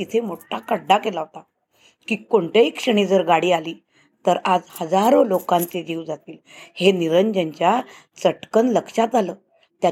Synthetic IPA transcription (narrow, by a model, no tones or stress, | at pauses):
it̪ʰemoʈʰakəɖːakelaɦot̪a | kiːkoɳʈ̪jaikʂəɽ̃id͡zəɾɡaɽiːaliː | t̪əɾad͡zhəd͡zaɾolokãnt͡sed͡ʑiːwd͡zat̪iːlheniɾəɲd͡ʑəɲt͡ɕja | t͡səʈkənləkʂad͡zaləː | t̪ja